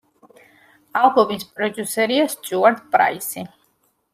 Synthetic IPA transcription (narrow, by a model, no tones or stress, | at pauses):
alˠɡɔmispʼɾɔd͡ʒ̪usɛɾiast͡ʃʼuaɾd̪̚pʼɾa̰isi